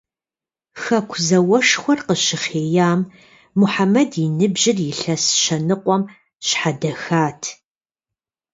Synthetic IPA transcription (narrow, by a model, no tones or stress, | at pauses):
xɐkʷʰzɐwɐʂxʷɔrqəɕɪχeːjaːmː | uħamɐdɪnɨbʑɪrjɪɬɐsʃɐnɨqʷɔm | ɕħadɐxaːtʰ